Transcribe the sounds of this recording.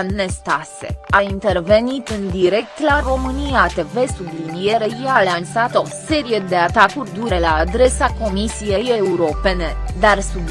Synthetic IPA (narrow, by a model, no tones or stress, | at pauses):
e̞st̪asḛaint̪e̞rve̞nit̪ɨnd̪iɾe̞k̚t̪laro̞mɨniat̪e̞ve̞sublinijeɾejalansat̪ose̞ɾije̞d̪e̞at̪akurʲd̪uɾe̞laːd̪ɾe̞sako̞misije̞jeuɾo̞pe̞ne̞d̪arsub